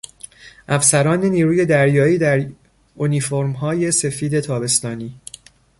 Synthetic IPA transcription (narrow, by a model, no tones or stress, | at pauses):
ʔæfsæɾɒːneniːɾuːje̞d̪æɾjɒːiːd̪æɾ | oniːfo̞ɾmɦɒːje̞se̞fiːd̪e̞t̪ʰɒːbe̞st̪ɒːniː